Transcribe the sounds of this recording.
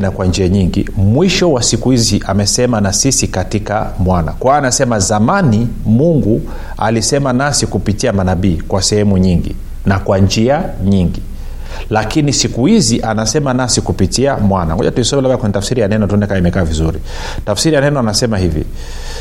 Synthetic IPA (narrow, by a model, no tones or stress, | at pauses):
nakwand͡ʒiaɲiŋɡḭmwiʃɔwasikuhiziʔamɛsɛmanasisikatika̰mwana̰kwaːnasɛmazamanimuŋɡu | a̰lisɛmanasikupitiamanaɓiːkwasɛhɛmuɲiŋɡḭ | nakwand͡ʒiaɲiŋɡi | lakinisikuhiziʔanasɛmanasikupitiamwana̰ɔ̰ʄatuisɔmɛlablakwɛɲɛtafsiɾijanɛnɔtuɔnɛkaimɛkaːvizuɾḭ | tafsiɾijanɛnɔanasɛmahivḭ